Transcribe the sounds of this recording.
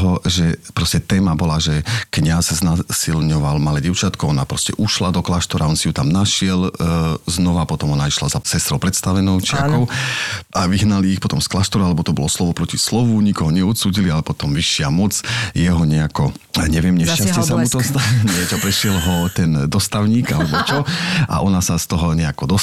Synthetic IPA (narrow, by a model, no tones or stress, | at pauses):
ɦɔʒɛpɾɔscɛt̪ɛːmabɔlaʒɛkɲasznasilɲɔʋalmalɛɟɛʊt͡ʃat̪kɔɔnapɾɔscɛʔuʃlad̪ɔklaʃt̪ɔɾaɔnsijut̪amnaʃɪɛlznɔʋapɔt̪ɔmɔnaiʃlazasɛst̪ɾɔʊpɾɛt̪st̪aʋɛnɔʊt͡ʃɪakɔʊʔaʋiɦnaliːxpɔt̪ɔmsklaʃt̪ɔɾalɛbɔt̪ɔbɔlɔslɔʋɔpɾɔcislɔʋuɲikɔɦɔɲɛɔt̪suːɟilialɛpɔt̪ɔmʋiʃːɪamɔt͡sjɛɦɔɲɛakɔɲɛʋɪɛmɲɛʃcasɪɛsaut̪ɔsɲɛt͡ʃɔpɾɛʃɪɛlɦɔt̪ɛnd̪ɔst̪aʊɲiːɡa̰lɛbɔt͡ʃɔa̰ʔɔnasast̪ɔɦɔɲɛakɔd̪ɔ